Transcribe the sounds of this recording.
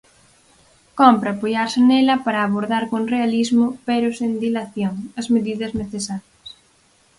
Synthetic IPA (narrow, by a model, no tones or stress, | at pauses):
kɔmpɾɐːpojaɾsɪnelɐpaɾɐːβoɾðaɾkõŋrealizmʊpeɾʊsend̪ilaθjoŋɐzmeðiðɐzneθesaɾjɐs